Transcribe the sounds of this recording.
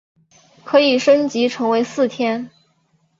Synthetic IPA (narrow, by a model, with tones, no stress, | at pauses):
kʰɤ˧˥i˨˩ʂə˥nt͡ɕi˧˥ʈ͡ʂʰɤ˧˥ŋwe˧˥ɪsɹ̩˥˩t̪ʰjɛ˥n